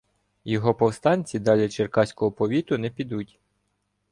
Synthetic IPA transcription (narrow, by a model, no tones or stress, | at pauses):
jɔɦɔpɔwst̪ɑnʲt͡sʲid̪ɑlʲɛt͡ʃerkɑsʲkɔɦɔpɔʋʲit̪ʊnɛpʲid̪utʲ